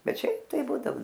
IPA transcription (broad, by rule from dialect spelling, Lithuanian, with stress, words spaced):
ˈbʲɛt ˈʃʲɛɪp tɐɪ ˈbuːdɐoː